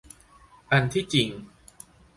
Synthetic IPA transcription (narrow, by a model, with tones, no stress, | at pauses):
ka˧nt̪ʰiː˥˩t͡ɕi˨˧ŋ